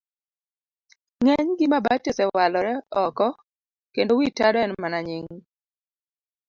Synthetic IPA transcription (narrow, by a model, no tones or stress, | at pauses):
ŋɛɲɡɪmabatesɛwalɔɾɛɔkɔ | kendowitadɔɛnmanaɲɪŋ